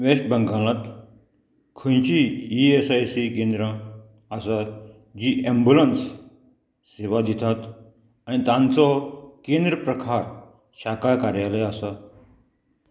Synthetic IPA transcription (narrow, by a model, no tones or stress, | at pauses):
ʋeʂʈ̚bʱə̃ŋɡalãt̪ | kʰə̃j̃t͡ɕiːesajsikẽnd̪ɾə | asat̪ | d͡ʑiːʔembulənsː | eʋad̪it̪ʰat̪ | añit̪ãnt͡sɔkend̪ɾəpɾəkʰaɾ | ɕakajkaɾjaleasa